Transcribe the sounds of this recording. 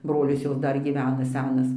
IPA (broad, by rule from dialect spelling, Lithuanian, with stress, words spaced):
ˈbroːlʲɪs ˈjoːs ˈdɐr ɡʲiːˈʋʲæːnɐ ˈsʲæːnɐs